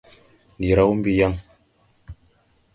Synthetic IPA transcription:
n˨di˨ɾa˦wu˦m˦bi˦ja˦ŋ

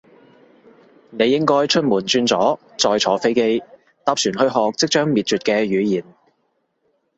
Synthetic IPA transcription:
ne˨˧jɪ˥ŋkɔː˥jt͡ʃʰɵ˥t̚muː˨˩nt͡ʃyː˧nt͡sɔː˨˥ | t͡sɔː˧jt͡sʰɔː˨˥fe˥jke˥j | t̪aː˧˥p̚syː˨˩nhɵ˧ɥɦɔː˨k̚t͡sɪ˥k̚t͡ʃœː˥ŋmiː˨t̚t͡ʃyː˨t̚kɛː˧ɥyː˨˧jiː˨˩n

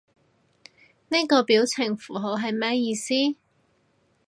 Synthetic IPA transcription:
ni˥kɔː˧piː˨˥wt͡sʰɪ˨˩ŋfuː˨˩ɦo˨˥wɦɐ˨jmɛː˥jiː˧siː˥

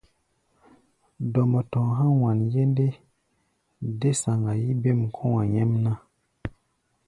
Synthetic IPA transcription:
dɔ˨mə˨tɔ̃˨ɦa˦wa˨nje˦nde˦ | de˦sa˨ŋɡa˨ji˦be˦˨mkʰɔ̃˦wa˨ɲɛ˦mna˦

